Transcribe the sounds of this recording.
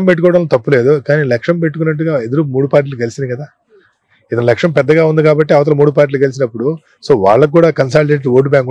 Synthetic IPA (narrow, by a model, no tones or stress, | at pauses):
mpe̞ʈːukɔːɽɐnloːt̪ɐpːule̞ːd̪ukaːniːlɐkʂɐmpe̞ʈːuk̬unːɐʈːuɡaːed̪ɐɾumuːɽupaːɾʈ̬iːlukkɐlisind̪ikɐd̪aː | id̪ɐnɐlɐkʂɐmpɛd̪ːɐɡaːund̪ikaːbɐʈːiɐʋɐt̪̬ɐlɐmuːɽupaːɾʈ̬ːiːlkɐlis̬inɐpːuɽu | soːʋa̰ːɭːɐkkːuːɽaːkɐns̬aːlʈeːʈʋo̞ːʈ̬ubʲjaːŋk